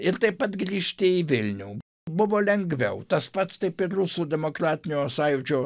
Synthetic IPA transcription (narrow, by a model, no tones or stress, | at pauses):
ɪɾt̪ɐɪpɐt̪ɡɾʲiːʃʲt̪ʲɪɪʋʲɪlʲnʲɛʊ | bʊʋoːlʲɛŋɡʋʲɛʊt̪ɐspɐt̪st̪ɐɪpɪrrʊsuːd̪ʲɛmoːkɾɑːt̪ʲɪnʲoːsɑjʊt͡ʃʲoː